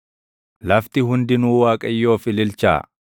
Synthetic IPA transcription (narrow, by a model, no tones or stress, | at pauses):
lɐft̪ɪɦʊnd̪ɪnuːwaːkʼɐjːo̞ːfɪlɪlt͡ʃa̰ː